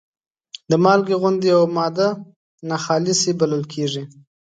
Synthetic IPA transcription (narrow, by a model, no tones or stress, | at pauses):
d̪əmɑlɡeɣʊnd̪eawmɑd̪a | naxɑlɪsebaləlkʰeʐi